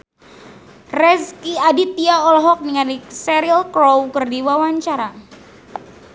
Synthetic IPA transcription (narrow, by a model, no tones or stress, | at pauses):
rɛskiadit̪iaɔlɦɔk̚niŋaɾisɛɾilkɾowkərdiwawaɲt͡ʃaɾa